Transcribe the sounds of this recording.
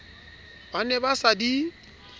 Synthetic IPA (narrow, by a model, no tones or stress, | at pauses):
banɛbasadi